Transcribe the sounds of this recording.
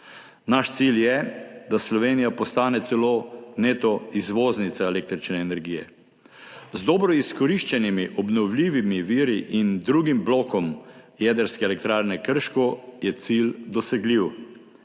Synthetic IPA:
naʃt̪siljɛd̪aslɔʋeːnijapɔst̪aːnɛt̪sɛloːneːt̪ɔizʋoːznit̪saɛlek̚t̪ɾit͡ʃnɛːnɛɾɡijɛ̰ | zd̪ɔbɾɔiskɔɾiʃt͡ʃɛnimiʔɔbnɔwliːʋimiʋiːɾiʔind̪ɾuːɡimbloːkɔmjɛːd̪əɾskɛelɛk̚t̪ɾaːɾnɛkəɾʃkɔjɛt̪sild̪ɔsɛɡliw

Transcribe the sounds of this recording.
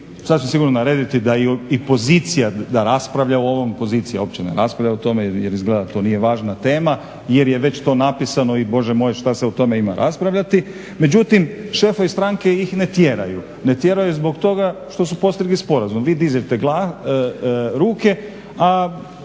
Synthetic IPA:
sad̪t͡ɕmsiɡuɾnonaɾeːd̪it̪id̪aiipo̞ziːt̪sijad̪aɾaspɾaʋʎaooʋo̞mpo̞ziːt̪sijao̞p̚t͡ɕenḛɾa̰spɾaʋʎʲaut̪o̞mejeɾizɡled̪at̪o̞ːnijeʋaːʒnat̪e̞ːma | jeɾjeʋe̞t͡ɕt̪o̞napisano̞ibo̞ʒemo̞jeʃt̪aseut̪o̞me̞ima̰ɾʔa̰spɾaʋʎat̪i | me̞d͡ʑut̪imʃefoʋist̪ɾaŋke̞jixne̞t̪jeɾaju | ne̞t̪je̞ɾajuzbo̞kt̪o̞ɡaʃt̪o̞supo̞st̪ɾiɡlispo̞ɾazumʋiːd̪izet̪eɡlˠa | ɾuːke̞ | a

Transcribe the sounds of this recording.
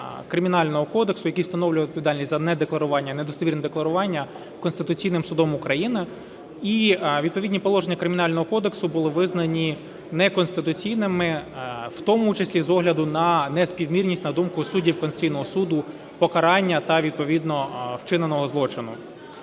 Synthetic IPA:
kɾɪmʲinɑlʲnɔɦɔkɔd̪eksʊjɐkijwst̪ɐnɔwlʲʊjɛɔd̪̚pɔʋʲid̪ɑlʲnʲisʲtʲzɐnɛd̪eklˠɐɾʊʋɑnʲːɐned̪ɔst̪ɔʋʲirnɛd̪eklˠɐɾʊʋɑnʲːɐ | kɔnst̪ɪt̪ʊt͡sʲijnɪmsʊd̪ɔmʊkɾɐjinɪ | iʋʲid̪̚pɔʋʲidʲnʲipɔlˠɔʒenʲːɐkɾɪmʲɪnɑlʲnɔɦɔkɔd̪eksʊbʊlˠɪʋɪznɐnʲi | nɛkɔnst̪ɪt̪ʊt͡sʲijnɪmɪwt̪ɔmʊt͡ʃesʲlʲizɔɦlʲɐd̪ʊnɐnɛspʲiwmʲirʲnʲisʲnɐd̪umkʊsudʲiwkɔnst͡sʲijnɔɦɔsud̪ʊ | pɔkɐɾɑnʲːɐt̪ɐʋʲid̪̚pɔʋʲid̪nɔwt͡ʃɪnenɔɦɔzlˠɔt͡ʃɪnʊ̰

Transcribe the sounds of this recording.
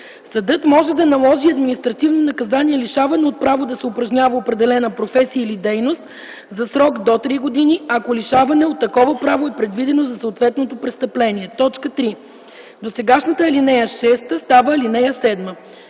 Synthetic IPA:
sɐd̪ɤt̪mɔʒɛd̪ɐnɐlˠɔʒiɐd̪minist̪ɾɐt̪ivnonɐkɐzaniɛliʃavɐnɛot̪̚pɾavod̪ɐsɛʊpɾɐʒnʲavɐopɾɛd̪ɛlɛnəpɾofɛsijəilid̪ɛjnost̪ | zɐsɾɔkd̪ot̪ɾiɡod̪iniɐkoliʃavɐnɛot̪ːɐkɔvəpɾavoɛpɾɛd̪vid̪ɛnozɐsɐːt̪vɛt̪not̪opɾɛst̪ɐplɛniɛt̪ɔt͡ʃkət̪ɾi | d̪osɛɡaʃnət̪əɛlinɛjəʃɛst̪əst̪avəɛlinɛjəsɛd̪mə

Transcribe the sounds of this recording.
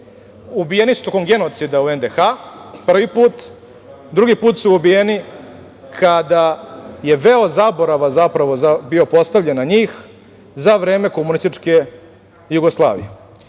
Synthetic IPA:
ubijenisu̥t̪o̞ko̞mɡe̞not̪sid̪auend̪exapr̩ʋipuːt̪ | d̪ɾuɡipuːt̪suubijeni | kʰad̪aje̞ʋeozabo̞ɾaʋazapɾaʋo̞zabio̞po̞st̪aʋʎenaɲiːx | zaʋɾe̞ːme̞ko̞munist̪it͡ʂke̞ | juɡoslˠa̰ːʋḭje

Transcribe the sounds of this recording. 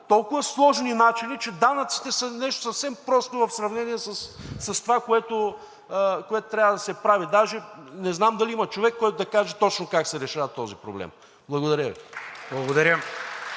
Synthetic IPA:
t̪ɔlˠkʊvɐslˠɔʒninat͡ʃinit͡ʃɛd̪anɐt̪si̥t̪ɛsɐnɛʃt̪o̥sɐfsɛmpɾɔst̪ovɐfsɾɐvnɛniɛsəssɐst̪ovakoɛt̪ʊ | koɛt̪ʊt̪ɾʲavəd̪ɐsɛpɾavid̪aʒɛnɛznamd̪ɐliimɐt͡ʃovɛkːɔjt̪ʊd̪ɐkaʒɛt̪ɔt͡ʃnokaksɛɾɛʃavɐt̪ːɔzipɾo̰blɛ̰m | blˠɐɡod̪ɐɾʲəvḭblˠɐɡod̪ɐɾʲə

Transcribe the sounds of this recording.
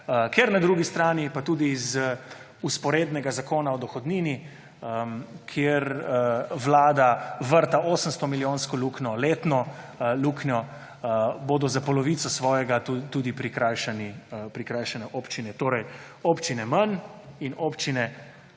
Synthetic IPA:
keɾnad̪ɾuɡist̪ɾaːnipat̪ud̪iːz | uspɔɾeːd̪nɛɡazakoːnaɔd̪ɔxɔd̪niːni | əkʰjeɾ | ʋlaːd̪aʋəɾt̪aʔoːsəmst̪ɔmiljoːnskɔluːknɔleːt̪nɔluːknjɔ | boːd̪ɔzapɔlɔʋiːt̪sɔsʋɔːjɛɡat̪uːd̪ipɾikɾajʃanipɾikɾaːjʃanɛʔoːpt͡ʃinɛt̪oːɾɛj | opt͡ʃinɛmaninopt͡ʃinɛ

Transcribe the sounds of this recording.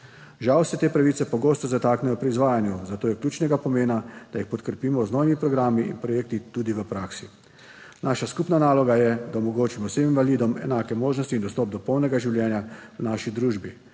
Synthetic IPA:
ʒawsɛt̪eːpɾaʋiːt̪sɛpɔɡoːst̪ɔzat̪aːknɛjɔpɾiːzʋaːjanjuzat̪oːjɛkljuːt͡ʃnɛɡapɔmeːnad̪̥ajixpɔt̪kɾɛpiːmɔznoːʋimipɾɔɡɾaːmiḭnpɾɔjeːk̚t̪it̪uːd̪iʋəpɾaːksi | naːʃaskupnanaːlɔɡajɛd̪aɔmɔɡoːt͡ʃimɔseminʋaliːd̪ɔmɛ̰naːkɛmoːʒnɔst̪iːnd̪ɔst̪ɔp̚d̪ɔpɔwnɛɡaʒiwljɛːnjaənaʃid̪ɾuːʒbi

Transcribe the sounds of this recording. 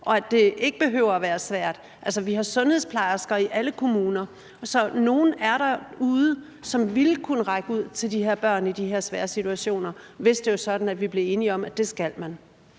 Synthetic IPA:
ʔɒ̽æd̥e̝e̝ɡ̥əb̥e̝ɦøːʊ̰ɐːʋæːɐsʋæɐ̰d̥ | ʔælsɐʋiɦɑ̈sɔ̽nheðˠspʰlɑ̈ɪɐsɡ̥ɐiʔæləkʰo̝muːnɐ | sɒ̽no̝ːn̩æɐɾɑuːðˠə | sɒ̽mʋilkʰunəʁɑ̈ɪɡ̥əuð̞̰ˠt͡sʰe̝ldiɦe̝ɐ̰b̥ɶɐ̰nid̥iɦe̝ɐ̰sʋæːɐsit͡sʰuæɕo̝̰ːnɐʋe̝sd̥e̝jo̝sɒ̽d̥n̩æd̥ʋib̥le̝e̝ːniɒ̽mæd̥e̝sɡ̥ælmæn

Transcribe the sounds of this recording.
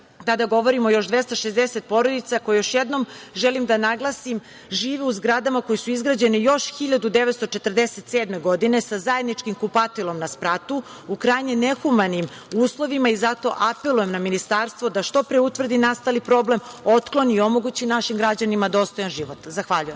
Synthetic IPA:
t̪ad̪aɡo̞ʋo̞ɾimo̞jo̞ʃd̪ʋest̪aʃezd̪eset̪̚po̞ɾod̪it̪sako̞jejo̞ʃjed̪no̞mʒelimd̪anaɡlˠasim | ʒiːʋiuzɡɾad̪amakojisuizɡɾad͡ʑe̞nijo̞ʃxiʎad̪ud̪eʋe̞t̪st̪o̞t͡ʃet̪r̩d̪eset̪seːd̪me̞ɡo̞d̪ine̞sazaje̞d̪nit͡ʃkimkupat̪ilˠo̞mnaspɾat̪u | ukɾajɲene̞xumanim | uːslˠo̞ʋimaizat̪o̞̰ʔapelˠujemnaminist̪aːɾst̪ʋo̞d̪aʃt̪o̞pɾeut̪ʋr̩d̪inast̪alipɾo̞ble̞mo̞t̪klˠo̞nio̞mo̞ɡut͡ɕinaʃimɡɾad͡ʑanimad̪o̞st̪o̞janʒiʋot̪zaxʋaʎujem

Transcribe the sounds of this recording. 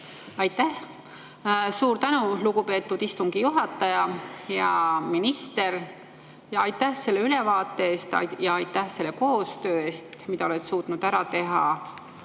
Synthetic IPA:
ɑjt̪ːæh | suːɾt̪ænuluɡupe̞ːt̪ːˑud̪̥ist̪uŋɡ̥ijuɦɑt̪ːˑɑjɑjɑminist̪e̞ɾ | jɑɑjt̪ːæhse̞lːe̞ylevɑːt̪ːˑe̞eːst̪ɑ̰jɑɑjt̪ːæhse̞lːe̞ko̞ːst̪ø̞ːe̞ːst̪mid̪ɑoet̪suːt̪nud̪̥æɾɑt̪e̞ɦɑ

